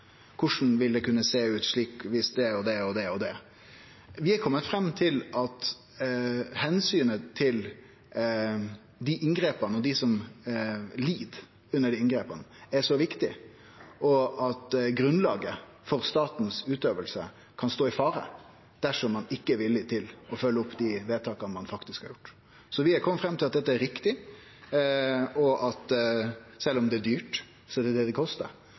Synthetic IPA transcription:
kʰʊʂn̩ʋɪld̪ɛkʉnːəseːʉːt̪ʂɭiːkʋɪsd̪ɛɔd̪ɛɔd̪ɛɔd̪ɛ | ʋɪhɑkʰɔmːət̪fɾɛmːt̪ʰɪlʔɑt̪ | hɛnsyːnət̪ʰɪl | d̪ɪʔɪŋɡɾeːpənəɔd̪ɪsɔm | liːd̪ | ʉnːəɖiɪnɡɾeːpənəɛʂɔʋɪkt̪ɪ | ʔɔɑt̪ɡɾʉnlɑːɡə | fɔɾst̪ɑːt̪n̩sʉːt̪øːʋəlsə | kʰɑnst̪oːɪfɑːɾə̰ | d̪̥æʂɔmːɑnɪkːəʋɪlːɪt̪ʰɪlɔfœlːəʊpːd̪ɪʋeːt̪ʰɑːkɑnmɑnfɑkt̪ɪskhɑɾjʊʈː | sɔʋɪɛkʰɔmːəfɾɛmːt̪ʰɪlɑt̪̚d̪ɛt̪ːəɛɾɪkt̪ɪ | ɔʔɑt̪ | sɛlːɔmd̪ɛːd̪yːʈ | sɔɛd̪ɛd̪ɛd̪ɛkʰɔst̪ə̰ɾ

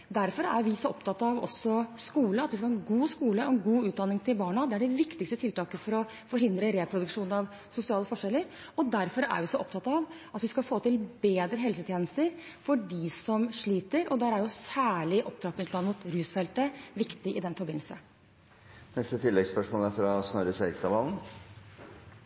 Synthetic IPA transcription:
d̪æɾfɔɾæ̰jʋɪsɔɔpt̪ʰɑt̪ːɑʋɔ̰sɔskuːləɑt̪ʋɪskɑhɑːnɡuːskuːləɔɛnɡuːʉːt̪̚d̪ɑnːɪŋt̪ʰɪlbɑːɳɑd̪ɛæɖɛʋɪkt̪ɪkst̪ət̪ʰɪlt̪ɑːkəfɔɾɔ | fɔɾhɪnd̪ɾəɾɛpʰɾʊd̪ʉkʂuːnɑʋ | sʊsɪɑːləfɔʂɛlːəɾ | ɔd̪æɾfɔɾæ̰ɾʋɪsɔʔɔp̚t̪ʰɑt̪ːɑʋ | ɑt̪ʋɪskɑfoːt̪ɪlbeːd̪ɾəɦɛlsət̪ʰjeːnəst̪əɾ | fɔɖɪsɔmʂɭiːt̪əɾɔd̪æɾæɾjʊsæːɭɪʔɔp̚d̪ɾɑk̪ɪnt̪ʰlɑnmuːt̪ɾʉːsfɛlt̪əʋɪkt̪ɪʔɪd̪ɛnfɔɾbɪnl̩sə | nɛst̪ət̪ʰɪlːɛɡspœʂmoːləæɾfɾɑsnɔɾəseːɡst̪ɑbɑln̩

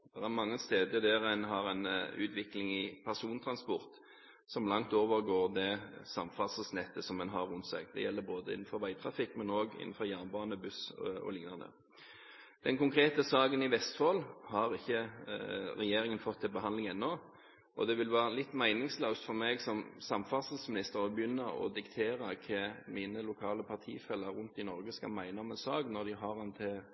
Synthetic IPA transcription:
d̪̥ɛʁæʁmɑŋːəst̪eːd̪əd̪ɛʁɛnɦɑʁɛnʉ̰ːt̪ʰʋɪklɪŋɪpʰæʁsuːnt̪ʰɾɑnspɔʁt̪ | sɔmlɑŋt̪oːʋəɾɡoːʁd̪ɛsɑmfɑsəsnɛt̪ːəsɔmːɛnɦɑɾʉnt̪sɛ̰ɡd̪ɛ̰jɛlːəboːd̪əɪ̰nːn̩fɔɾʋæɪt̪ʰʁɑfɪkːmɛnoːɡɪ̰nːən̩fɔʁjæːʁnbɑːnəbʉsɔ̰lɪŋnɑnə̰ | d̪̥ɛnkʊŋkʰɾeːt̪əsɑːɡənɪʋɛst̪foːlhɑɾɪçːə | ɾɛjeːʁɪŋənfɔt̪ʰːɪlbəɦɑnd̪lɪŋɛnːɔ | ʔɔd̪ɛʋɪlʋæːʁəlɪt̪ːmæɪnɪŋsløːst̪fɔɾmɛɡsɔmsɑmfɑsəlsmɪnɪst̪əɾɔbjʏnːəɔ̰d̪ɪkt̪ʰeːɾəkʰɛmiːnəlʊkʰɑːləpʰɑʁt̪ʰḭːfɛlːəɾʉnt̪ɪnɔɾɡəskɑ̰lmæɪnəɔmɛnsɑːɡnɔʁd̪ɪɦɑʁɑnt̪ʰɪ

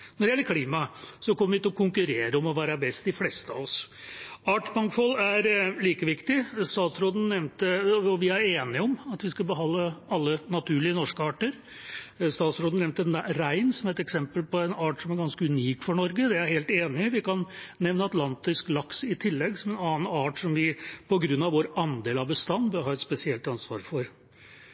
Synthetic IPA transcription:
nɔɖɪɛlːəɾkʰliːmɑsɔkʰɔmːəɾʋɪt̪ɪlɔkʰʊŋkʉɾeːɾəɔmɔʋæːɾɑbɛst̪̚d̪ɪflɛst̪əɑ̰ʋɔs | ɑːʈbɑŋkfɔlːæɾliːkəʋɪkt̪ɪst̪ɑːt̪sɾoːd̪n̩nɛʋnt̪əɔʋɪæɾeːnɪɔmɑt̪ʋɪskɑbəɦɑnd̪ːəɑlːənɑt̪ʰʉːɭɪənɔʂkəɑːʈəɾ | st̪ɑːt̪sɾoːd̪n̩ɛmnt̪əɾæɪnsɔmæɾɛt̪ɛksɛmpəlpɔɛnɑːʈsɔmæɾɡɑnskəʉniːkfɔɳɔɾɡəd̪ɛæɾheːlt̪eːnɪʋɪkɑnnɛʋnəɑt̪lɑnt̪ɪsklɑksɪt̪ʰɪlːɛɡsɔmɛnɑːnɑːʈsɔmʋɪpʰɔɡɾʉnːɑʋʋoːɾɑnd̪eːlɑʋbəst̪ɑnːbœɾɦɑːɛt̪spɛsɪɛlt̪ɑnsʋɑ̰ːɾfɔɾ

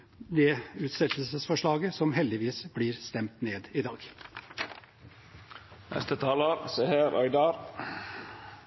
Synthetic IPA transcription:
d̪ɛːʉːt̪sɛlt̪lsəsfɔʂɭɑːɡəsɔmɦɛld̪ɪʋiːsbliːɾst̪ɛmt̪neːd̪ɪd̪ɑːɡ̥ | nʔɛ̰st̪ət̪ʰɑːləɾsehæɾœ̰ʏd̪ɑɾ

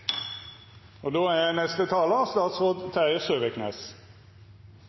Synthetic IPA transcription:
ɔd̪oːænɛst̪ət̪ʰɑːləɑst̪ɑːt̪sʁoːd̪t̪ʰæəsøːʋəkʰnḛːs

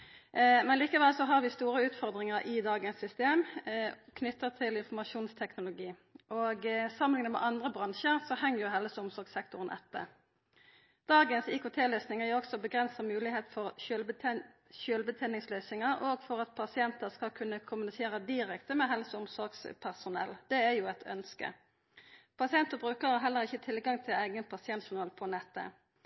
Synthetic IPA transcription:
mɛnliːkəʋɛlsɔɦɑʁʋɪst̪uːʁəʉːt̪fɔʁd̪ʁɪŋəʁʔɪd̪ɑːɡənsʏst̪eːm | kʰnʏt̪ːəʁt̪ʰɪlɪnfɔmɑʃuːnst̪ʰɛknʊlʊɡiːʔoːɡsɑmːəlɪŋənəmɛ̰ʔɑnd̪ʁəbʁɑnʃəʁsɔhɛŋːəʁjʊɦɛləsəʊmsɔʁɡsɛkt̪ʊʁənʔɛ̰t̪ːə̰ | d̪̥ɑːɡənsiːkʰʊːt̪ʰeːlœːsnɪŋəjʊɔksɔbəɡʁɛnsəmʉːlɪheːt̪fɔʁl | ʃøːlbət̪ʰɛːnɪŋsløːsɪŋəʁoːɡfɔʁɑt̪̚pʰɑsɪɛnt̪əskɑlkʰʉnːəkʰʊmʉnɪseːʁəd̪ɪʁɛkt̪əmɛɦɛlsʊmsɔɾɡspʰæʁsʊnɛ̰ld̪̥ɛæjuːɛt̪ʰœ̰nskə̰ | pʰɑsɪɛnt̪əbʁʉːkəʁhɑːɾɦɛlːəʁɪçːət̪ʰɪlɡɑŋt̪ʰɪlæɪɡənpʰɑsɪɛnt̪ʃʊnɑːlpʰɔnɛt̪ːə̰

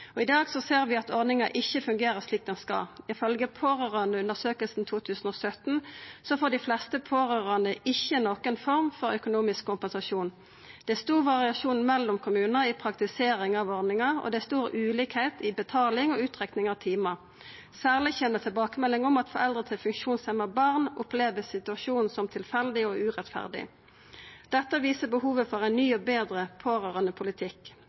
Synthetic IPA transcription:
ɔɪd̪ɑːɡsɔseːʁʋɪɑt̪ɔʁnɪŋɑʔɪçːəfʉŋɡeːʁəsliːk̚d̪ɛnskɑ̰ɪfœlɡəpʰoːʁøʁɑnəʉnəʁsøːkəlsn̩t̪ʰuːt̪ʰʉːsən̩ɔːsœt̪n̩sɔfoːd̪ɪflɛst̪əpʰoːʁøʁɑnd̪əʔɪçːənoːkənfɔʁmfɔɾœkʊnuːmɪskkʰːʊmpɛnsɑʃuːn | d̪̥ɛst̪uːʋɑʁɪɑʃuːnn̩mɛlːʊmkʰʊmʉːnəɪpʰʁɑkt̪ɪseːʁɪŋɑʋɔʁnɪŋɑʁɔ̰d̪ɛst̪uːʁʉːliːkheɪt̪ɪbət̪ʰɑːlɪŋɔːʉːt̪ʁɛknɪŋɑʋt̪ʰiːmɑ | sæːʁlɪçɛnət̪ʰɪbɑːkəmɛlːɪŋɔmɑt̪fɔʁɛld̪ʁət̪ʰɪlfʉŋkʃuːnsɛməbɑʁnʊpleːʋəsɪt̪ʉɑʃuːnn̩sɔmt̪ʰɪlfɛld̪ɪoːʉːʁɛt̪fæ̰ʁd̪ɪ̰ | d̪̥ɛt̪ːəʋiːsəbəhuːʋəfɔʁæɪnnyːɔbeːd̪ʁəpʰoːʁøːʁənəpʰʊlɪt̪ʰɪk

